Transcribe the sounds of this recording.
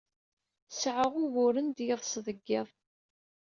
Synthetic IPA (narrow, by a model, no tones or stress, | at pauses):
sʕəʁʊwʊɾənd̪jɪðˤsðˤəɡːɪðˤ